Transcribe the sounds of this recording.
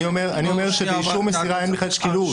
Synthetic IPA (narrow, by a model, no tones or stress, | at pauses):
iomeʁanio̞meʁʃebeiʃuʁmesiʁaenbeχladʃkilu